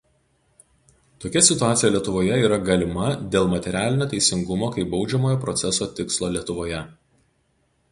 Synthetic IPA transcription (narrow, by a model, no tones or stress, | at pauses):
t̪oːkʲɛsʲɪt̪ʊaːt̪sʲɪjɛlʲiɛt̪ʊʋoːjɛiːɾɐɡɐlʲɪmɐd̪ʲeːlˠmɐt̪ʲɛɾʲæːlʲɪnʲoːt̪ʲɛɪsʲɪŋɡʊmoːkɐɪbɒʊd͡ʒʲɛmoːjoːpɾɔt̪sʲɛsoːt̪ʲɪkslˠoːlʲiɛt̪ʊʋoːjɛ